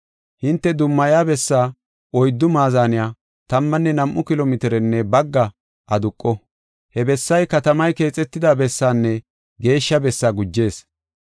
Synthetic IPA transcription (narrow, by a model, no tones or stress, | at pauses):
hɪnt̪ːɛd̪ʊmːɐjaːbɛsːaː | ɔjd̪ːʊmaːzaːnɪjaː | t̪ɐmːɐnːɛnɐmʔːʊkɪlɔmɪt̪ɪɾɛnːɛbɐɡːɐ | ʔɐd̪ʊkʼːɔ | hɛbɛsːɐjkɐt̪ɐmɐjke̞ːt͡sʼːɛt̪ːɪd̪abɛsːaːnːɛ | ɡe̞ːʃːɐbɛsːaːɡʊd͡ʒːe̞ːs